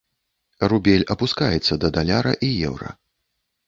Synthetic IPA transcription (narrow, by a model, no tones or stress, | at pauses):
rubʲɛlʲɐpuskajɛt̪sːɐd̪ɐd̪alʲaɾɐ̰ʔijɛ̰wɾɐ̰